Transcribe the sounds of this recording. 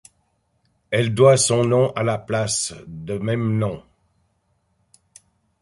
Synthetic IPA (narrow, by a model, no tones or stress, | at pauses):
ɛld̪wasɔ̃nɔ̃ʔalaplasd̪əmɛmnɔ̃